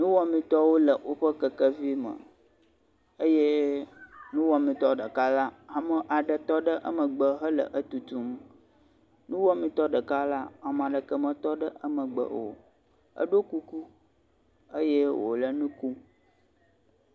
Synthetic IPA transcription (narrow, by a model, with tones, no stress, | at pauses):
nũ˦wɔ˦mĩ˨t̪ɔ˦wo˦lə˨wo˦ɸə˦kə˨kə˦vi˦mə̰̃˨ | ə˦je˦ | nũ˦wɔ˦mĩ˨t̪ɔ˦ɖə˨ka˦la˦a˨mə̃˨ʔa˨ɖə˨t̪ɔ˦ɖə˦ʔə̰˦mə˨ɡ͡bə˨ɦə˦lə̰˨ʔə˦t̪u˨t̪u˦m | nũ˦wɔ˦mĩ˨t̪ɔ˦ɖə˨ka˦la˦a˨m˨ã˨ɖə˨kə˦mə̃˨t̪ɔ˦ɖə˦ʔə˦mə̃˨ɡ͡bə̰˨ʔo̰˨ | ə̰˦ɖo˦ku˦ku˦ | ə˦je˦wo̰˨lə˨nũ˦ku˦